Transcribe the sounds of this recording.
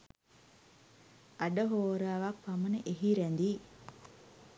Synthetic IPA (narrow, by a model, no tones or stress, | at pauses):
ɐɖəɦoːɾaːʋapːɐmɐneʔeɦiɾɛnd̪i